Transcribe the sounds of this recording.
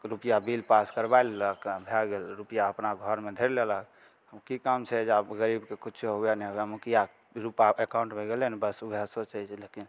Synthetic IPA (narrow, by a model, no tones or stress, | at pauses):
ɾupijabilpaskəɾbaelləkbʱɛɡelɾupijaəpnaɡʱɔɾmed̪ʱəɾlelək | əmkikamt͡ʃʰɛd͡ʒaɡəɾibkekut͡ʃʰoɦoɛnɛɦoɛmukija | ɾupaekãw̃ɳʈmeɡelenbəsubʱasot͡ʃait͡ʃʰləki